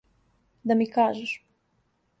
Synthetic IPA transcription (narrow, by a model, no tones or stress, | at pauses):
d̪amikaːʒɛʃ